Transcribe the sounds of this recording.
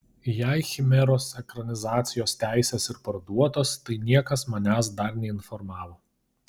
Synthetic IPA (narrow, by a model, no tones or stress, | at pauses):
jɛɪxʲɪmʲɛɾoːsɛkɾɐnʲɪzɑːt̪sʲɪjoːst̪ʲæˑɪsʲeːsɪɾpɐɾd̪uɔt̪oːst̪ɐɪnʲiɛkɐsmɐnʲæːsd̪ɐɾnʲɛɪnfɔɾmɑːʋoː